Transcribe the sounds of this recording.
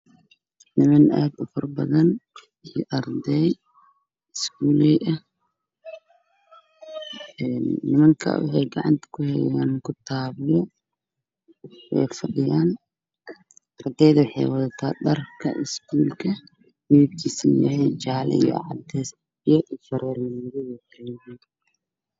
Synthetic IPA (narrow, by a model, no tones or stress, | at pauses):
nɪmɐnɛːb̪ʊfɐrbɐðɐn | ijɔʔɐrd̪ɛj | ɪskʰuːlɛjʔɐ | ɛːnːɪmɐŋkʰɐ̰wɑ̰ħɑjɡɑʕɑ̰nt̪ʰɐ̥kʰʊhɛjaːnkʊt̪ʰaːβɪjɔ | wɛ̰jfɐɗɪjaːn | ʔɐrd̪ɛjðɐwɑħɑjwɐðɐt̪ʰaːɗɐrkʰɐ̰ʔɪskʰuːlkʰɐ | wib̚kʰiːsɐnjɐ̰ɦɛjt͡ʃaːl̰ḭjɔ̰ʕɑ̰d̪ɛːs | jɔʔifɐɾɛːrmɐnɪɾɛwɛːħɛɾjjɛn